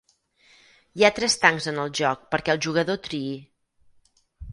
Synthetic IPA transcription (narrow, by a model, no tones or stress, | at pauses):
jat̪ɾɛst̪aŋzənəlˠʒɔk̚pəɾkɛəlˠʒuɣəðot̪ɾii